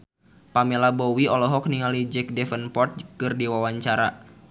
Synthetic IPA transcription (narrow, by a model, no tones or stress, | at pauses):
pamɛlabɔwiɔlɔɦɔk̚niŋalid͡ʒɛk̚dɛfənpɔrt̪̚kɨrdiwawaɲt͡ʃaɾa